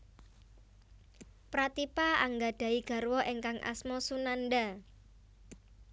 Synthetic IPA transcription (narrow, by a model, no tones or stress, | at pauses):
pɾat̪ipaaŋɡaɖ̥ä̤iɡ̥a̤rwɔʔeŋkaŋʔa̰smɔsunanɖa